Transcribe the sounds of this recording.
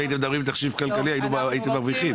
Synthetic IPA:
ait̪̬emd̪abʁimbet̪aχʃivkalkaliainuaajit̪emaʁviχim

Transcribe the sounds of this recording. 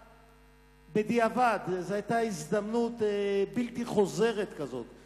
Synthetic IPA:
bed̪iavad̪zeajt̪aizd̪amnut̪ebilt̪iχo̞ze̞ʁet̪kazo̞t̪

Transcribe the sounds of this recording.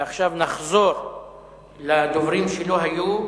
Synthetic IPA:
aχʃavnaχzo̞ɾ | lad̪ovʁimʃelo̞ɦaju

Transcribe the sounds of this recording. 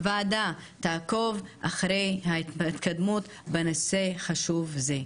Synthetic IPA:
vaːd̪at̪aːko̞vʔaχɾejhaitit̪kad̪mut̪ | benoseχaʃuvze

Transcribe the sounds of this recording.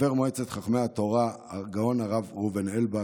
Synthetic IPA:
eʁmoet͡set̪χaχmehat̪o̞ʁaɡao̞naʁavʁuvenelba

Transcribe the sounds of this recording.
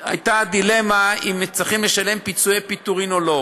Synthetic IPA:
a̰jt̪ad̪ile̞maimːet͡siχimleʃale̞mpit͡sujepit̪uʁinolo̞

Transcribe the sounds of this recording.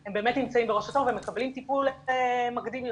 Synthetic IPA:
embe̞ːmet̪nimt͡saimbeʁoʃat̪ovemekablimt̪ipulemaɡd̪im

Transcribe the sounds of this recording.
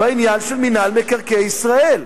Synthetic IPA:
bainjanʃelminalmekaʁkeisʁael

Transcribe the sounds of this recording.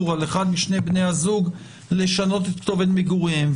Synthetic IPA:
ʁaleχad̪miʃnebne̞jazuɡ | le̞ʃano̞t̪et̪kt̪ovenmiɡuʁim

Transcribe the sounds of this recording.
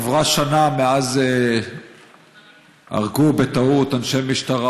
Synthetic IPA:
vʁaʃanameaze | a̰ʁɡubet̪aut̪anʃejmiʃt̪aʁa

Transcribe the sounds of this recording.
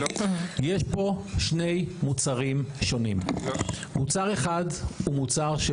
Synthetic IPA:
jeʃpo̞ʃne̞jmut͡saʁimʃo̞nim | mut͡saʁe̞χadumut͡saʁʃe

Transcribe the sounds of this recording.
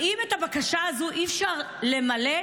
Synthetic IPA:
imethabakaʃaazuʔifʃaʁ | le̞male

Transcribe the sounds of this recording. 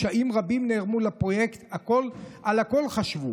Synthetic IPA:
ʃaʔimʁabimneʁmulapʁo̞jekt̪ako̞lalako̞lχaʃvu

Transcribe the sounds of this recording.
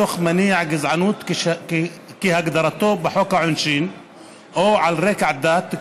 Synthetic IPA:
oxmaniːʕaɡɪzʕanuːt̪k | kihaɡd̪ɑɾˤɑt̪oːbɪħokaʕʊnʃiːn | ʔaʕalɾeːkʕd̪aːt̪

